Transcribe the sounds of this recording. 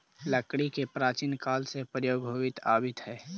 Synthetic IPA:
ləkɽikepɾaːt͡ʃiːnkaːlsepɾjoːɡɦoːʋɪt̪a̰ːbɪt̪ɦɛː

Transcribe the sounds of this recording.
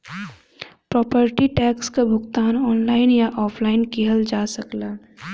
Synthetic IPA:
pɾɔːpəɾʈiʈɛːkskabʱʊɡt̪aːnɔːnlaːɪnjaʔɔːpʰlaːɪnkiɦəld͡ʒaːsəklaː

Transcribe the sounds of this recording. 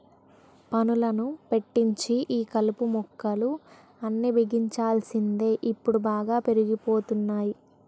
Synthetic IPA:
pɐnulɐnupe̞ʈːiɲt͡ʃiʔiːkɐlupumɔkːɐlu | ɐnːiʋiɡiɲt͡ʃaːlsind̪e̞ːʔipːuɽubaːɡaːpe̞ɾiɡipo̞ːt̪unːaːji

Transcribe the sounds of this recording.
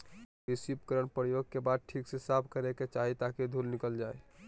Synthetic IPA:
isip̚kəɾəɳpəɾjoɡ̚kebad̪̚ʈʰiːksesapʰkəɾeket͡ʃaɦit̪aked̪ʱulnikəld͡ʒaːe

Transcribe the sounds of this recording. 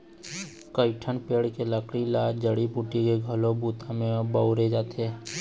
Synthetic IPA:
kəɪʈʰənpeːɽkeləkʰɽilaːd͡ʒəɽibuʈikeɡʱəlobuːt̪ʰamẽbauɾed͡ʒaːt̪eɦɛ

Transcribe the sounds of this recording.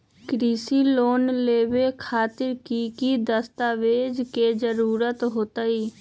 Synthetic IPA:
kɾiːsiloːnleːwekʰaːt̪ɪɾkikid̪əst̪aːʋeːd͡ʒked͡ʒəɾuːɾət̪ɦoːt̪aiː

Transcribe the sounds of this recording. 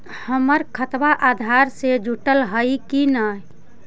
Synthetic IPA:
həməɾkʰət̪baʔad̪ʱaɾsed͡ʒʱuʈəlɦəjkinə

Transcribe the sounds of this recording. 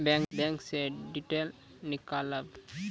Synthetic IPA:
bɛ̃ŋbɛ̃ŋkseɖːiʈel | nikaləb

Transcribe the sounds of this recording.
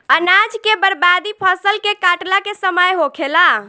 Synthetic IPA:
ənad͡ʒkebəɾbad̪ipʰəsəlkekaʈlakesəməjɦokʰela

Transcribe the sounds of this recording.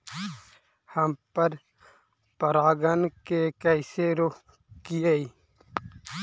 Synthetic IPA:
həmpəɾ | pəɾaːɡənkekəɪseɾo | kijəi

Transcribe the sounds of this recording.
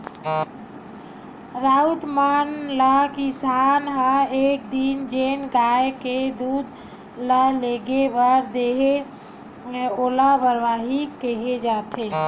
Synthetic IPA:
ɾaut̪manlakisanɦəek̚d̪ind͡ʒenɡaeked̪ud̪ | ləleɡebəɾd̪eɦe | olabəɾʋaɦikəɦed͡ʒat̪ʰe

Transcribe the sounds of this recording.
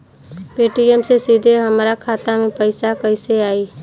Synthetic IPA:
peːʈijəmsesiːd̪ʱeɦəmɾakʰaːt̪amẽpəɪsakəɪseaːiː

